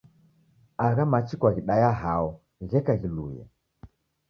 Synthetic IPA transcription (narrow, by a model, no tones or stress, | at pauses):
aɣamat͡ʃikwaɣiɗajaɦaɔ | ɣɛkaɣilujɛ̰